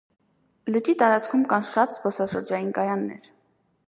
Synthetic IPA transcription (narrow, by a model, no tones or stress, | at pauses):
lət͡ʃit̪ɑɾɑt͡skʰumkɑnʃɑt̪z̥bɔsɑʃəɾd͡ʒɑjinkɑjɑnːɛ̰ɾ